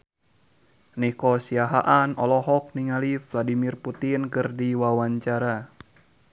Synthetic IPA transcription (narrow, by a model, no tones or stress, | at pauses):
nihkɔsiaɦa̰ʔanɔlɔɦɔk̚niŋalifladimirput̪inkɨrdiwawaɲt͡ʃaɾa